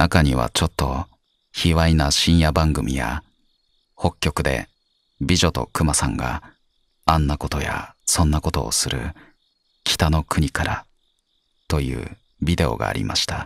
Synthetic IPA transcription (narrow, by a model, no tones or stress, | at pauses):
nakaɲ̟iβa̰t͡ɕo̞t̪ːo̞ | çiβainaɕĩɰ̃jabãŋɡɯ̟mʲḭja̰ | ho̞kʲːo̞kɯ̟d̪e̞̰ | bʲiʑo̞t̪o̞kɯ̟masãŋɡa̰ | ãnːako̞t̪o̞ja̰sõ̞nːako̞t̪o̞̰ːsɨɾɯ̟̰ | kʲʰi̥t̪ano̞kɯ̟ɲ̟ikaɾa | t̪o̞jɯ̟̰ː | bʲid̪e̞o̞̰ɡa̰ːɾʲʔḭmaɕi̥t̪a